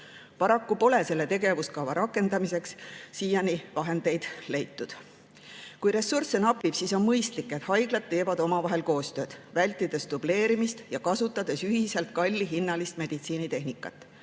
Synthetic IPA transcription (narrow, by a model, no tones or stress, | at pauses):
pɑɾɑkːupo̞le̞se̞lːe̞t̪e̞ɡe̞vuskɑwvɑɾʔɑkːˑe̞nd̪ɑmise̞ksːiːjɑnivɑɦe̞nd̪̥e̞jd̪̥le̞jt̪ːud̪̥ | kujɾe̞sːursenɑpːˑib̥siso̞nmɤjst̪likːˑe̞t̪hɑjɡ̥lɑd̪̥̚t̪ːe̞ːvɑd̪̥o̞mɑvɑɦe̞lko̞ːst̪ø̞ːd̪̥vælʲt̪ːˑid̪̥e̞sd̪̥uble̞ːɾimist̪jɑkɑsut̪ːˑɑd̪̥e̞syɦise̞lt̪̚kɑlʲːiɦinːɑlist̪me̞d̪̥it̪siːnit̪e̞ɦnikːˑɑ̰t̪ːˑ